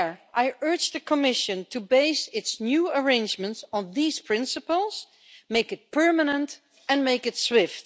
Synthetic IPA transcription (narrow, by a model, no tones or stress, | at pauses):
ɹʔaɪʔɜ˞d͡ʒðɨkʰəmɪʃɨ̃ntʰubeɪsɪtsnjuəɹẽɪ̃nd͡ʒmə̃ntsn̩ðiz̥pʰɹ̥ɪ̃nsəpəlˠz̥ | meɪkɨt̚pʰɜ˞mənə̃nt | ɨ̃nmeɪkɨtswɪft